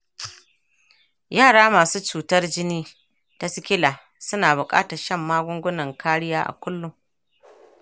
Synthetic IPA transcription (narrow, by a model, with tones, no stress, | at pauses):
jaː˦˨ɽaː˦maː˨suː˦t͡ʃuː˨tɐ˦rd͡ʒɪ˦niː˦ | ta˦sɪ˦kʲɪ˦laː˨ | sʊ˦naː˨bʊ˨kʼa̰ː˦tɐ˨ʃɐ˦˨mːaː˦ɡʷʊ˦ŋɡʷʊ˦nɐ˨ŋkʰaː˦ɽɪ˦jaː˦ʔa̰˨kʷʊ˦lːʊ˨ŋ